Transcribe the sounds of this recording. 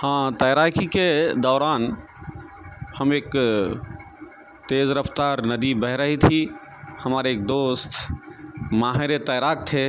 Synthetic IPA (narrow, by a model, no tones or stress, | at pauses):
hãt̪əjɾakʰiked̪ɔːɾan | həmeːk | t̪ezɾəpʰt̪aɾnəd̪ibəɦɾəɦit̪ʰi | həmaɾeːk̚d̪ost̪ | maɦeɾet̪əjɾak̚t̪ʰe